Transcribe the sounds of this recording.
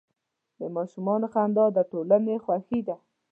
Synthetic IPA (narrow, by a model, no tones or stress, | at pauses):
d̪əmɑʃumɑnoxand̪ɑd̪əʈolanexwaxid̪a